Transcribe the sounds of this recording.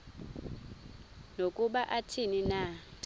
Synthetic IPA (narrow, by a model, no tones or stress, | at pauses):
nokʼuɓaʔatʰininatʼ